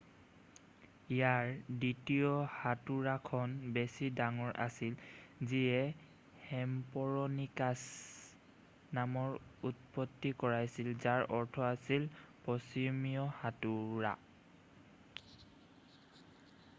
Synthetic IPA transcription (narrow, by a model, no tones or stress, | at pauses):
ijaɹditiɔhatuɹakʰɔnbesidaŋɔɹʔa̰silziɛ | hɛmpɔɹɔnikas | namɔɹut̚pɔtːikɔɹajsilzaɹʔɔɹtʰɔasilpɔsimijɔhatuɹa̰